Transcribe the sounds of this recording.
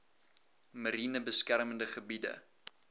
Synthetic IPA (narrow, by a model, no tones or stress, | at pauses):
məɾinəbəskærməndəχəbidə̰